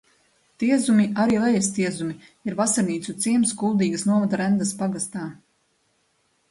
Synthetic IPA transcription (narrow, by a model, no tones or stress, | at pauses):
t̪iɛzumiaɾiːlˠɛjɛst̪iɛzumiiɾvasaɾniːt̪sut̪siɛmskulˠd̪iːɡəsnuɔvad̪aɾɛnd̪aspaɡast̪aː